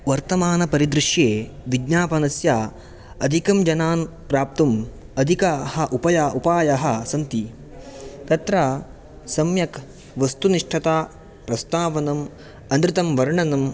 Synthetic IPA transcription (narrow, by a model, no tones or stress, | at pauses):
ʋɐɾt̪ɐmaːnɐpɐɾid̪ɾɪʂjeːʋiɡnaːpɐnɐsjaː | ɐd̪ʱikɐmd͡ʒɐnaːn | pɾaːp̚t̪ɐm | ɐd̪ʱikɐhɐ̆ʔupɐjaʔupaːjɐɦɐ̆sɐnt̪i | t̪ɐt̪ɾaː | sɐmjɐk | ʋɐst̪uniʂʈʰɐt̪aː | pɾɐst̪aːʋɐnɐm | ɐnd̪ɾɪt̪ɐmʋɐɾɳɐnɐm